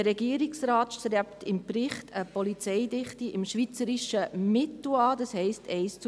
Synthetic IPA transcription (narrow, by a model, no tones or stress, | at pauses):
ɾɛɡiːɾiksɾɑːtsɛptɪmprɪχtʰəpɔlit͡sɛɪdɪχtiʔɪmʃʋit͡səɾiʃəmɪtl̩ɑːd̥ɑshɛɪstʰɛɪst͡s